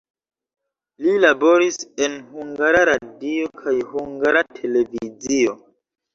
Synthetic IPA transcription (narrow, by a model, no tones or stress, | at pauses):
lilabo̞ɾise̞nhuŋɡaɾaɾadio̞kʰajhuŋɡaɾatʰe̞le̞vizio̞